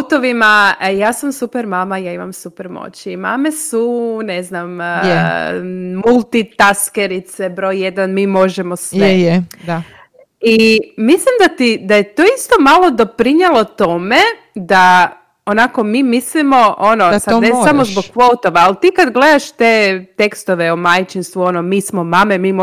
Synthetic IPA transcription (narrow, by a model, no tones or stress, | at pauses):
t̪oʋimajaːsamsupeɾmaːmajaːima̰msupeɾmo̰t͡ɕimaːme̞suneznam | mulˠt̪it̪askeɾit̪sebɾo̞jje̞d̪anmiːmo̞ʒemosʋej̪ | imislimd̪at̪id̪aje̞t̪oist̪o̞malˠo̞d̪o̞pɾiɲelˠo̞t̪o̞me̞ | d̪a | onako̞miːmislimo̞ʔonosad̪nesamozboɡkʋot̪oʋaːlt̪iːkad̪ɡle̞d̪aʃt̪eːt̪e̞kst̪oʋeomajt͡ʃinst̪ʋuo̞nomiːsmomamemiːmo